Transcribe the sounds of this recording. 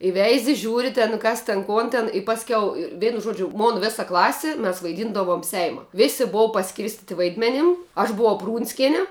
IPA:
ɪ ˈʋʲɛɪzʲɪ ˈʒʲuːrʲɪ tʲɛn ˈkɐs tʲɪn ˈkoːn tʲɛn ɪ ˈpɑːsʲkʲɛʊ ɪr ˈʋʲɛɪnʊ ˈʒuɔd͡ʒʲʊ ˈmoːn ˈʋʲɪsɐ ˈklˠɑːsʲɪ mʲɛs ʋɐɪˈdʲiːndɐʋoːm ˈsʲɛɪmɐ ˈʋʲɪsʲɪ ˈboːʋɐ pɐˈsʲkʲɪrʲsʲtʲɪtʲɪ ˈʋɐɪdʲmʲɛnʲɪm ɐʃ bʊˈʋɐʊ ˈpruːnʲsʲkʲɛnʲɪ

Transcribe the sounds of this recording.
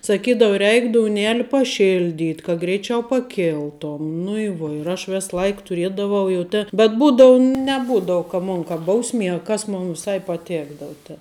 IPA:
sɐˈkʲiːdɐʋʊ ˈrʲɛɪk doːʊˈnʲæːlʲɪ pɐˈʃʲɪlʲdʲiːtʲ kɐ ɡrʲɛɪˈt͡ʃʲɛʊ pɐˈkʲɪlˠtoːm nʊ ɪ ˈʋuɔ ɪr ˈɐʃ ˈʋʲɛs ˈlˠɐɪk tʊˈrʲiɛdɐʋɐʊ jɛʊ ˈtʲeː bʲɛt ˈbuːdɐʊ nʲɛˈbuːdɐʊ kɐ ˈmʊn kɐ ˈbɐʊsʲmʲiɛ ɐ ˈkɐs ˈmʊn ʋʲɪˈsɐɪ pɐˈtʲæːɡdɐʋʊ tʲɛ

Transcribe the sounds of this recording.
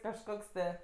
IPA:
kɐʃˈkoːks tɜ

